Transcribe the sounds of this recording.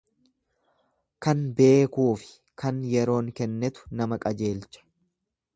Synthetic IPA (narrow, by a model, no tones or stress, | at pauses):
kɐnbe̞ːkuːfɪ̥ | kʰɐnjɛɾo̞ːŋkɛnːɛt̪ʊ̥nɐmɐkʼɐd͡ʒe̞ːlt͡ʃɐ̥